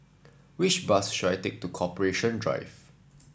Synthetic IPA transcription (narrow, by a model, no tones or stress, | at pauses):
wɪt͡ʃbasʃudajtek̚tukʰɔpəɹeʃɔ̃ndɹa̰ɪv